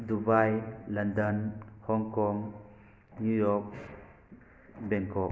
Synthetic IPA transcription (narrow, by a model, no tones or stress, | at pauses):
dubajlɐndənhɔŋkɔŋ | nujɔk̚ | bɛŋkɔ